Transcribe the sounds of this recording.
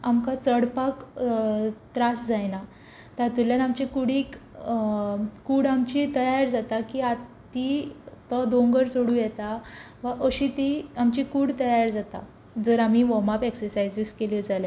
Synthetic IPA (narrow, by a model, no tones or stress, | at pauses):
amkat͡səɽpak | t̪ɾasd͡zajna | t̪at̪uljanamt͡ɕikuɽik | kuːɽamt͡ɕit̪əjaɾd͡zat̪akiat̪ːit̪ɔd̪oŋɡəɾsoɽuːjɛt̪a | ʋaʔəɕit̪iamt͡ɕikuːɽt̪əjaɾd͡zat̪a | d͡zəɾam̤iʋɔmapeksəɾsajd͡ziskeljɔd͡zalja